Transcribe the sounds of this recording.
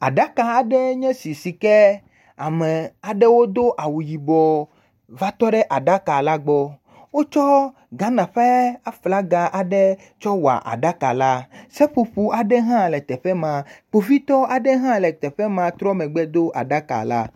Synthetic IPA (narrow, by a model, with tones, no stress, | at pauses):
a̰˨ɖa˦ka˨a˨ɖɛ˦ɲɛ̃˦si˨si˨kɛ˦ | a˨mɛ˨a˨ɖɛ˦wo˦d̪o˦ʔa˨wu˨ji˨bɔ˨ | va˦t̪ɔ˦ɖɛ˦ʔa˨ɖa˦ka˨la˦ɡ͡bɔ˦ | wo˦t͡ʃɔ˦ | ɡa˦nã˨ɸe˦a˦fla˦ɡa˨ʔa˨ɖɛ˦ | t͡ʃɔ˦wa̰˨ʔa̰˨ɖa˦ka˨la˦sɛ˦ɸu˨ɸu˦ʔa˨ɖɛ˦ɦã˦lɛ˨t̪ɛ˨ɸɛ˦mã˨k͡po˨vi˦t̪ɔ˦a˨ɖɛ˦ɦã˦lɛ˨t̪ɛ˨ɸɛ˦mã˨t̪ɾɔ˦mɛ̃˨ɡ͡bɛ˦d̪o˦ʔa̰˨ɖa˦ka̰˨la̰˦